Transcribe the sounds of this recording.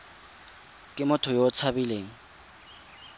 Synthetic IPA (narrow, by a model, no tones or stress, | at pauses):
kʼɪmʊtʰʊjɔt͡sʰabileːŋ̩